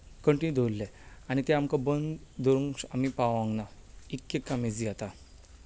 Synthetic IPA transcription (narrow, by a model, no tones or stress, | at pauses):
kəɳʈinud̪ʱolːeañit̪ɛamkabənd̪d̪oɾuŋsa̰mipaʋãŋɡnaikːekːamid͡ziat̪a